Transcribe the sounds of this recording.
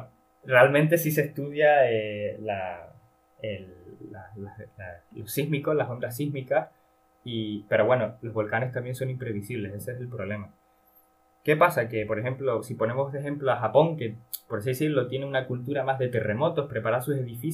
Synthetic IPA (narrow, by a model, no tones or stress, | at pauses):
re̞almẽnt̪e̞sis̬eht̪uðjaela | elːalaslaslo̞ssiɦmiko̞slasomd̪ɾas̬iɦmikas | ipe̞ɾo̞βwe̞no̞lo̞zβo̞lkane̞st̪ambje̞nso̞nĩmpɾe̞β̞isiβle̞seseeselpɾo̞βle̞ma | ke̞pasake̞po̞ɾe̞xe̞mplo̞sipo̞ne̞mosðexe̞mploaxapo̞ŋke̞poɾas̬iðesiɾlo̞t̪je̞neunakult̪uɾamaɦðe̞t̪e̞re̞mo̞t̪o̞hpɾepaɾasuse̞ðifis